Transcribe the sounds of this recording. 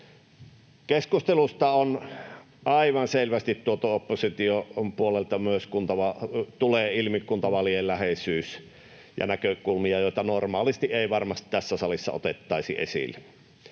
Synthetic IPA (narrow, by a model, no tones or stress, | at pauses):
keskust̪elust̪ɑon | ʔɑiʋɑnselʋæst̪it̪tuot̪ɑopːosit̪iopuolelt̪ɑmyøskunt̪ɑʋɑt̪uleːilmikːˑunt̪ɑʋɑlijellæhesyːs | jɑ̰nækøkulmiɑjoˑit̪ɑnormɑːlist̪iʔʔeˑiʋɑrmɑst̪it̪æsːæsɑlisːɑ̰o̰t̪et̪ːɑˑisḭʔḛsḭlːˑe